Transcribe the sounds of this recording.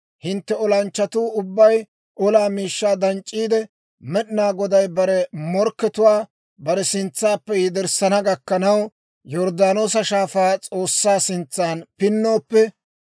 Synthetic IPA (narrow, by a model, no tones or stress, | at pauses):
hɪnt̪ːɛɔlɐnt͡ʃːɐt̪uːʊbːɐj | ʔɔlaːmiːʃːaːd̪ɐnt͡ʃʼːiːd̪ɛ | mɛɗɪnaːɡɔd̪ɐjbɐɾɛmɔɾkːɛt̪ʊwaː | bɐɾɛsɪnt͡sːaːpːɛjɪd̪ɪɾsɐnɐɡɐkːɐnɐw | jɔɾd̪aːnoːs̬ɐʃaːfaːt͡sʼo̞ːsːaːsɪnt͡sːaːnpɪnːo̞ːpːɛ